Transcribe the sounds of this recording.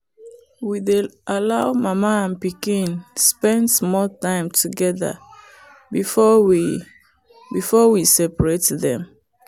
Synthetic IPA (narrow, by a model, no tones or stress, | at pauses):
wideʔalaʊmamaãnpikĩnspɛ̃ndsmɔltãɪmtʰuɡɛða̰ | bifɔwi | bifɔwisɛpɹetðɛ̰̃m